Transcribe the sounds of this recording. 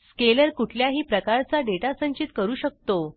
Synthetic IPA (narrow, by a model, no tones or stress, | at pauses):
skeləɾkuʈʰljaɦiːpɾəkaɾt͡saɖeʈasə̃ɲt͡ɕit̪kəɾuːɕək̚t̪o